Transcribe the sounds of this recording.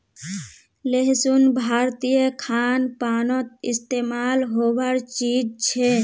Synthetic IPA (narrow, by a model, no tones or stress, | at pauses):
leɦsunbʱaɾt̪ijəkʰanpanot̪̚ḭst̪emaːlɦobəɾt͡ʃid͡ʒt͡ʃʰe